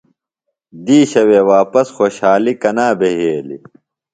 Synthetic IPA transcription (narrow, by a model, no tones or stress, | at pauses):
d̪iːɕɐweːwaːpɐsxoːɕhaːlikɐnaːbeɦeːlḭ